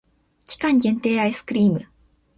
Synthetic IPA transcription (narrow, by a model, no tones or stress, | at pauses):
kʲi̥kãɲ̟ɡẽ̞nt̪e̞ːaisɨ̥kɯ̟ɾʲiːmɯ̟